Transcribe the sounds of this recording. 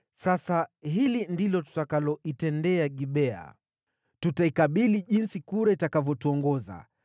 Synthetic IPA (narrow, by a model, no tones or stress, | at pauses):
sasaɦilindilɔtu̥takalɔitɛndɛaɠiɓɛa̰ | tutaikaɓiliʄinsikuɾaitakavjɔtuɔŋɡɔza̰